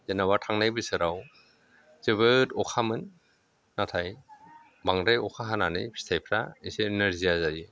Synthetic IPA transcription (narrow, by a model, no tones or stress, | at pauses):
zenaβatʰaŋnajbɯsɯɾaw | zeβɯtɔkʰamɯnː | atʰaj | baŋɾajɔkʰaɦananɯjbʰi̥stʰajpʰɾaisenɯɾziazaji